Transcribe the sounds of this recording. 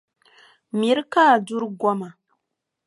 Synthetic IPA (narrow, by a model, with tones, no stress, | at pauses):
mi˨˦ɾka˦˨du˦ɾɡʷa˦ma˨